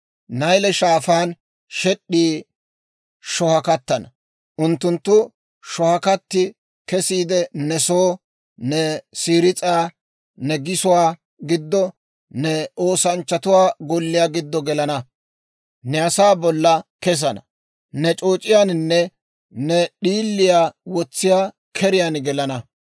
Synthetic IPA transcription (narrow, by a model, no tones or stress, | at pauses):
nɐjlɛʃaːfaːn | ʃɛɗːiː | ʃɔhɐkɐt̪ːɐnɐ | ʔʊnt̪ːʊnt̪ːʊ | ʃɔhɐkɐt̪ːɪ | kɛsiːd̪ɛnɛsoː | nɛsiːɾɪt͡sʼaː | nɛɡɪsʊwaː | ɡɪd̪ːɔ | nɛo̞ːsɐnt͡ʃːɐt̪ʊwaːɡɔlːɪjaːɡɪd̪ːɔɡɛlɐnɐ | nɛɐsaːbɔlːɐkɛs̬ɐnɐ̰ | nɛt͡ʃʼo̞ːt͡ʃʼɪjaːnɪnːɛ | nɛɗiːlːɪjaːwɔt͡sːɪjaː | kʰɛɾɪjanɡɛlɐnɐ